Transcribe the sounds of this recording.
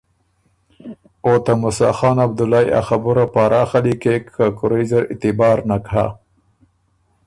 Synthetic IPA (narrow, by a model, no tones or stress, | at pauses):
ot̪amʊsɑ̰xɑːnab̚d̪ʊlɑja̰xabuɾapaɾɑxalikekʰakʊɾajzəɾɪ̰t̪ɪbɑːɾnakha̰